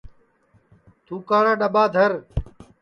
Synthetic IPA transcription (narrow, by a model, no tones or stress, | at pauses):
t̪uːkaːɽãːɗəɓaːd̪ʱəɾ